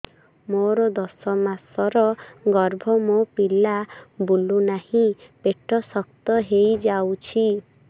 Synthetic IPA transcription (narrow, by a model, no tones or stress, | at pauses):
moɾɔd̪ɔsɔmasɔɾɔɡɔɾbʱɔmopilabulunahĩpeʈʰɔsɔkt̪ɔɦejd͡ʒawt͡ʃʰi